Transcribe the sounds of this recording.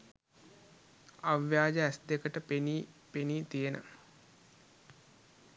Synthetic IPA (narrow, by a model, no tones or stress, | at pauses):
aʋjaːd͡ʒəæsd̪ekəʈəpeniːpeniːt̪ijenʔə̰